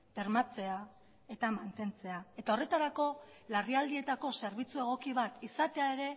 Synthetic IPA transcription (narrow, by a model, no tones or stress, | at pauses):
be̞ɾmat͡se̞a | e̞t̪amant̪e̞nt͡se̞ae̞t̪ao̞re̞t̪aɾako̞ | lariald̪ie̞t̪ako̞se̞ɾβit͡sue̞ɣ̞o̞kiβ̞at̪isat̪e̞ae̞ɾe̞